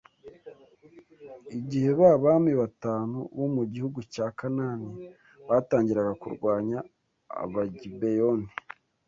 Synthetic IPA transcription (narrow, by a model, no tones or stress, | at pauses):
iɟihe̞βaβaːmiβataːnuβomuɟihuɡucaːkanani | βaːtaːɲɟiɾaɡakṵɾɡwaːɲa̰ː | βaɟibejoni